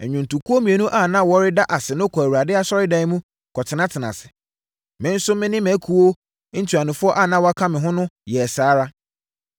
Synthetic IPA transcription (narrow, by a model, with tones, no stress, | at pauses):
ɛ˨ɲᶣʊ̃˨n̩˨tu˨kʰu˦o˦mĩ˨e˨nũ˦ʔa˦˨nã˦wɔ˦ɾɪ˦da˦ʔa˨sɪ˨nʊ̃˦kʰɔ˨æ˨wu˨ɾa˨dɪ˦a˦sɔ˦ɾɪ˦dɛ˦ɪ˦mũ˦ | kʰɔ˨tʰɪ˨nã˦tʰɪ˨nã̰˨sɪ̥˨ | mɪ̃˦n̩˦sʊ˦mɪ̃˦nɪ̃˦mɛ̃˨˦kʰu˨o˦ | n̩˦tʰu˨a˨nɪ̃˨fʊ˦ɔ˦ʔa˦˨nã˦wɔ˦a˦kʰã˦mɪ̃˨ɦʊ̃˦nʊ̃˦jɛ˨saː˨˦ɾa˦